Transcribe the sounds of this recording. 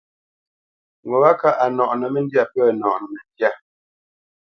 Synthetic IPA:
ŋɔ˨wa˦ka˦ʔa˨nɔ˨ʔnə˨mɛ˦n˦dja˦pɛ˦˨nɔ̰˨ʔnə˨mɛ˨ndja˦˨

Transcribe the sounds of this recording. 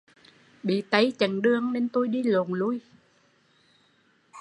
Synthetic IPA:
ɓḭ˧˨t̪ə˨˦jt͡ɕə˨˩nɗɨ˧əŋne˧nt̪u˧jɗi˧lo˨˩nlu˧j

